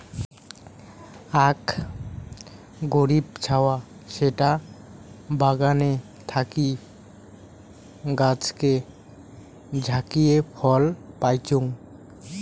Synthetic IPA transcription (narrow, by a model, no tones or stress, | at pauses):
ak | ɡoɾibt͡ɕʰawaʃeʈa | baɡane | t̪ʰaki | ɡat͡ɕke | d͡ʑʱakiepʰɔlpajt͡ɕoŋ